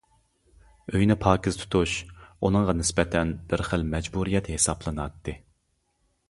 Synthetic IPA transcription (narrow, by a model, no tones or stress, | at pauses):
øjnɪpʰɑːkʰʲiz̥t̪ʰu̥t̪ʰuʃunɨŋʁɑnɪspɛt̪ʰɛnb̥ɪɾχəlmɛd͡ʒbuɾijɛt̪hesɑblˠɨnɑt̪ʰːɨ